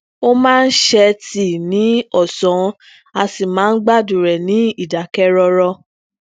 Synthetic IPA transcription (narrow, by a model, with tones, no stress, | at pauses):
o˦mãː˦˧n̩˦ʃɛ˧ti˦˨nĩ˨˦ɔ˦˨sɔ̃˨ | a˧si˨mãː˨˦n̩˦ɡ͡ba˦˨du˨ɾɛ˨nĩ˨˦i˦˨da˨kɛ˦ɾɔ˧ɾɔ˧